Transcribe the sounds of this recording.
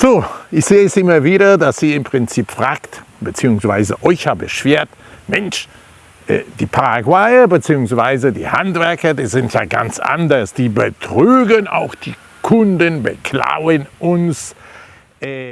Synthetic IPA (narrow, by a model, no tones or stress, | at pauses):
z̥oːʔɪçz̥eːɛsʔɪmɐviːɾɐdasiːɪmpʁ̥ɪnt͡siːpfʁ̥aːkt | b̥ət͡siːʊŋsv̥aɪzəʔɔʏçjaːbəʃv̥eːɐt | mɛnʃ | ʔɛ̰ːd̥iːpʰaʁaɡwaɪɐbət͡siːʊŋsv̥aɪzədḭːhantv̥ɛɐkɐdiːzɪntja̰ːɡa̰nt͡sʔa̰ndɐsd̥iːbətʁ̥yːɡəna̰ʊxd̥iː | kʰʊndənbəkʰla̰ʊənʔʊns | ʔɛː